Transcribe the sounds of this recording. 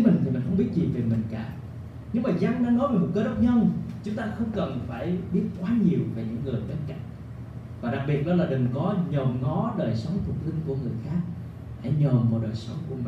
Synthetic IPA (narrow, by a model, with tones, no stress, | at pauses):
mi˨˩ŋ̟t̪ʰi˨˩mï˨˩n̟hə˧wŋ͡mɓi˦˥t̚zi˨˩ve˨˩mï˨˩ŋ̟kaː˧˩ | ɲɨ˧ŋmaː˨˩za˧ŋnaː˧˦nɔ˨˦jve˨˩mo˨˩t̚kəː˨˦ɗə˦˥wk͡p̚ɲə˧nt͡ɕʊ˨˦ŋ͡mt̪aː˧xə˧wŋ͡mkə˨˩nfaː˧˩jɓi˦˥ət̚kwaː˨˦ɲi˨˩əwveː˨˩ɲɨ̰˧˥ŋːɨ˨˩əjɓe˧nka̰˧˨ŋ̟ | vaː˨˩ɗa˨˩k̚ɓi˨˩ət̚ɗɔ˨˦laː˨˩ɗï˨˩ŋ̟kɔ˨˦ɲɔ˨˩mŋɔ˨˦ɗəː˨˩jsə˨˦wŋ͡mt̪ʰʊ˨˩t̚t̪ï˧ŋ̟ku˧˩əŋɨ˨˩əjxaː˦˥k̚ | haː˧˩ɲɔ˨˩mvɔ˨˩ɗəː˨˩jsə˨˦wŋ͡mku˧˩əmi˨˩